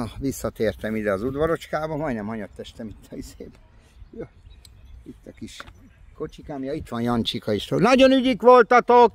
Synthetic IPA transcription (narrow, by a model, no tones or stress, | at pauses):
ʋisːɒt̪eːrt̪ɛmid̪ɛɒzud̪ʋɒɾo̞t͡ʃkaːbɒmɒjnɛmɒɲɒt̪ːɛʃt̪ɛmit̪ʰːɒizeːbɛ | jo | it̪ːɒkiʃ | ko̞t͡ʃikaːmjɒit̪ʋɒnjɒnt͡ʃikɒiʃt̪o̰ːlnɒɟonyɟikʋolt̪ɒt̪ok